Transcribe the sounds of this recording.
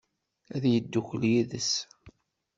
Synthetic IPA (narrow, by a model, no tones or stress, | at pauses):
æðjəd̪ːuçljiðəs